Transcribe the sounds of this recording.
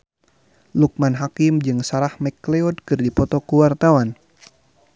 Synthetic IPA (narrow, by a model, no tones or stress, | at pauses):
luk̚manɦakimd͡ʒɨŋsaɾahmɛkleɔd̚kɨrdipɔt̪ɔkuwart̪awan